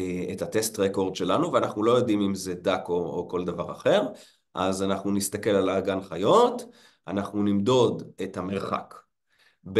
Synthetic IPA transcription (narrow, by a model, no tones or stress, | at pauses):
ethat̪est̪ʁeko̞ʁd̪ʃe̞lanuveanaχnulo̞jo̞dimimzedakooko̞ld̪avaʁaχe̞ʁ | ʔazanaχnunist̪ake̞lalaːɡanχajo̞t | ʔanaχnunimdo̞dethame̞ʁχa̰k | b